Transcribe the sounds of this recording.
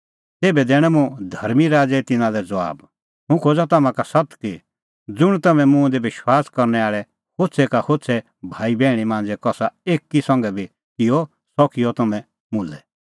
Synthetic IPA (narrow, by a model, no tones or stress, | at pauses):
t̪eːbɛd̪ɛːɽ̃ɛ̃mũd̪ʱɐɾmiɾaːd͡zɛt̪ɪnãlɛd͡zɐʋa̰ːb | ɦũkʰoːd͡zat̪ɐmãkasɐt̪ki | d͡zʊɽ̃t̪ɐmɛ̃mũɛ̃d̪ɛʋɪʃwaːskɐɾnɛaːɭɛ | kʰoːtsʰɛkakʰotsʰɛ | bʱaːibɛːɽ̃imãːnd͡zɛkɔsaeːkːisɐ̃ŋɡɛbʱi | kɪɔ | sɔkʰijɔt̪ɐmɛ̃ | mʊ̃lɛ